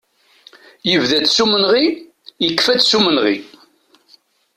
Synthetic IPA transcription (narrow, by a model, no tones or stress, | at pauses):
jəvðæt͡s̪sumənʁi | jəkːfæt͡sːsumənʁḭ